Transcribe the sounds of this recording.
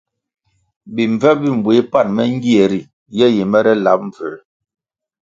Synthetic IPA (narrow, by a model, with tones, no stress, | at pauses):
bi˨ɱ˨vɛ˦bi˦˨m̩˨bwe˨˦pa˦˨nmɛ˦ŋ˦ɡi˦ɛ˨ɾi˨ | jɛ˦je˨mɛ˦ɾɛ˦la˨˦p̚ɱ̩˨və˨